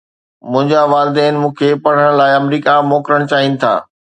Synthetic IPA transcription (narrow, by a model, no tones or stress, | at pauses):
mʊ̃ɦɪ̃ɲd͡ʑaʋaːlɪd̪ɛːnɪmũːkʰepɐɽ̤əɽ̃laːɪɐmɾiːkamoːkɾəɽ̃t͡ɕaːɦinɪ̆t̪ʰa̰ː